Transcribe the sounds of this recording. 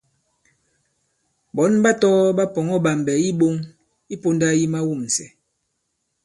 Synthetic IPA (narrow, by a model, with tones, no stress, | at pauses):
bɔ˨˦nba˦tɔ˦ba˦pɔ˨ŋɔ˦ba˨m˨bɛ˨i˦bo˦ŋ | i˦po˦nda˦ji˦ma˦wu˦˨m˨sɛ˨